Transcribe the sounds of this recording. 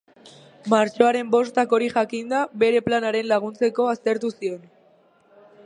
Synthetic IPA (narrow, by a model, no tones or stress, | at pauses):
maɾt͡ʃo̞aɾe̞mbo̞st̪ako̞ɾiʝakind̪aβe̞ɾe̞planaɾe̞nlaɣ̞unt͡se̞ko̞ast̪e̞ɾt̪usio̞n